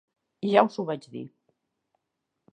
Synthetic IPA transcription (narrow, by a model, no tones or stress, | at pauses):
ʒawzuβad͡ʒðḭ